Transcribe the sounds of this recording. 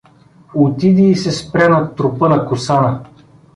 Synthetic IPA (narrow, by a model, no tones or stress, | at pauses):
ot̪id̪iːsɛspɾɛnɐt̪ːɾʊpɤnɐkʊsanə